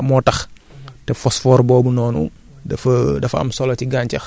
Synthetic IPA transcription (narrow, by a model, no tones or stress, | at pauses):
mɔːtɐx | tɛfɔsfɔːɾbɔːbunɔːnṵ | dɐfdɐfɐ̰msɔlɔciɡaːɲcɐx